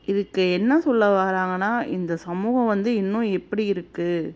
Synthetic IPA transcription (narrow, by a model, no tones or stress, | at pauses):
ɪðɯkːɯɛnːɐsɔlːɐʋaːɾaːŋɡɐnːaːɪnd̪ɐsɐmuːɣɐ̃ʋɐnd̪ɯɪnːʊ̃ɛpːɐɽiɪɾɯkːɯ